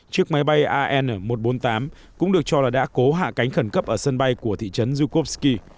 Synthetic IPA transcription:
t͡ɕɨ˦˥ək̚ma˨˦jɓa˧jʔaː˧ʔɛ˧n˨˩mo˨˩t̚ɓo˨˦nt̪aː˨˦m | kʊ̰˧˥ŋ͡mɗɨ˨˩ək̚t͡ɕɔ˧laː˨˩ɗa̰ː˧˥ko˨˦ɦa̰ː˧˨ka˨˦jŋ̟xə˧˩nkə˦˥p̚ʔəː˧˩sə˧nɓa˧jku˧˩ət̪ʰḭ˧˨t͡ɕə˨˦nzu˧ko˦˥p̚ski˧

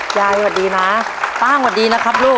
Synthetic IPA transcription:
jaː˧jwaː˨˩diː˧maː˦˥ | t̪aː˥˩ŋwaː˨˩diː˧na˦˥kʰa˦˥p̚luː˥˩

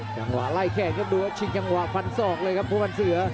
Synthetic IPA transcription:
t͡ɕa˧ŋwa̰ː˨˩ʔla˧˩jkʰɛː˨˩n̚kʰa˦˥p̚duː˧˩ʔa˦˥t͡ɕʰi˧˩ŋt͡ɕa˧ŋwa˨fa˧nsɔː˨˩k̚lɤː˧jkʰa˦˥p̚pu˧˥˩ma˧nsɯ˨˩˦ɐ

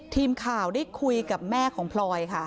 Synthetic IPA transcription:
t̪ʰiː˧mkʰaː˨˩wdaː˥˩jkʰu˧jka˨˩p̚mɛː˥˩kʰɔː˩˦ŋpʰlɔː˧jkʰa˥˩

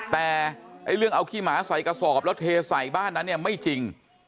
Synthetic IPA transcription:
t̪ɛː˨˩ʔa˧˥˩jlɯ˥˩əŋʔa˧wkʰiː˥˩maː˩˦˥sa˨˩jka˧sɔː˨˩p̚lɛː˦˥wt̪ʰeː˧sa˨˩jbaː˥˩nːa˦˥nːi˥˩əma˥˩jt͡ɕi˧ŋ

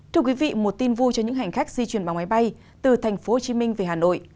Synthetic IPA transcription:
t̪ʰɨ˧əkwi˨˦vḭ˧˨mo˨˩t̚t̪i˧nvu˧t͡ɕɔ˧ɲɨ̰˧˥ŋɦa˨˩ŋ̟xaː˦˥k̚zi˧t͡ɕwi˨˩ənɓaː˨˩ma˨˦jɓa˧j | t̪ɨ˨˩t̪ʰɛ˨˩jŋ̟fo˨˦ho˨˩t͡ɕi˨˦mï˧ŋve˨˩haː˨˩no̰˧˨j

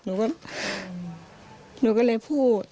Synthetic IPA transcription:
nuː˨˦kɔ˥˩p̚ | nuː˨˦kɔ˥˩˨leː˧jpʰuː˥˩t̪̚

